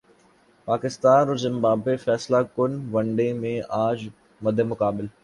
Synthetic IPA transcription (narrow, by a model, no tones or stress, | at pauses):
paːkɪst̪aːnɾʊzɪmbaːbefɛːslakʊnʋɐ̃ɳɖemẽʔaːd͡ʒ | mɐd̪ʱːemʊkaːbɪl